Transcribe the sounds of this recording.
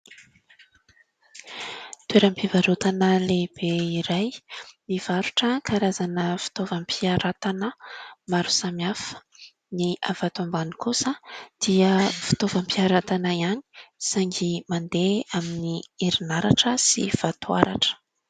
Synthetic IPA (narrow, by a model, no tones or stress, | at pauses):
t̪weɾəmpivaɾot̪anəleb̥eiɾajmiv̥aɾuʈ͡ʂəkʰaɾazanəfi̥t̪ovəmpʰiaɾat̪anəmaɾu̥samiafə̥ | niʔavat̪umbanikusəd̪̥iəfi̥t̪ovəmpiaɾat̪anaiani̥saŋɡimand̪eaminiiɾinaɾaʈ͡ʂəsḭv̥at̪ua̰ɾa̰ʈ͡ʂə̥